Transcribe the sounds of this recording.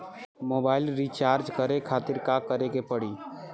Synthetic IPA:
moːbaːɪlɾit͡ʃaːɾd͡ʒkəɾekʰaːt̪ɪɾkakəɾekepəɽiː

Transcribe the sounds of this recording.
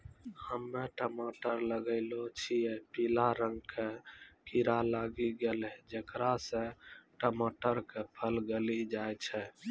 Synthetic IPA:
həmːeʈəmoʈəɾləɡəɪlot͡ʃʰijepilaɾəŋɡkʰekiɾalaɡiɡelɦɛd͡ʒekɾasẽʈəmoʈəɾkepʰəlɡelid͡ʒajt͡ʃʰɛ

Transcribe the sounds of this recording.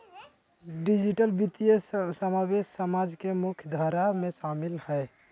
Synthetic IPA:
ɖɪd͡ʒɪʈəlbit̪ijəsəmaːbeːʃsəmaːd͡ʒkemʊkʰjd̪ʱaɾamẽʃaːmɪlhɛː

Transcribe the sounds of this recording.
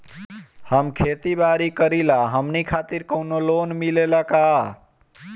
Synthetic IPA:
həmkʰet̪ibaɾikəɾilaɦəmnikʰat̪iɾkəwnolonmilelaka

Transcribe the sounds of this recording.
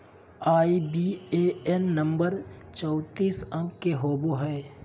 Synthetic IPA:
aːibieɛnːə̃mbəɾt͡ʃɔʊt̪iːsɐ̃mkeɦoːboɦɛː

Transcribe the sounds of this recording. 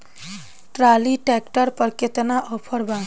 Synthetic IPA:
ʈɾaliʈɛkʈəɾpəɾket̪naʔɔpʰəɾbã

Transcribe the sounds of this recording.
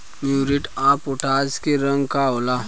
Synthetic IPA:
mjuːɾiʈãːpʊʈaːd͡ʒkeɾɐ̃ŋɡkaoːlaː

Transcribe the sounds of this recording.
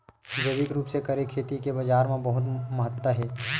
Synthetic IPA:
d͡ʒəʋɪkɾuːpsekɐɾekʰːeːt̪ikebɐd͡ʒaːɾmãbɐɦʊt̪mɐɦət̪wəɦɛː

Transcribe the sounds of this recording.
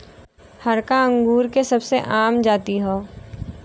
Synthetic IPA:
hɐɾkaə̃ŋɡuːɾkesɐbseʔaːmd͡ʒaːt̪iɦoː

